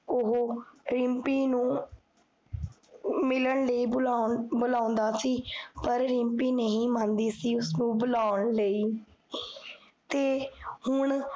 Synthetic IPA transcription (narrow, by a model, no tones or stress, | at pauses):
ʊɦoːɾɪmpiːnũː | mɪləɳləiːblabʊlaːʊ̃nd̪aːsiːpəɾɾɪmpiːnəɦĩːmãːnd̪iːsiːʊsnũːbʊlaːʊəɳləiː | t̪eːhʊɳ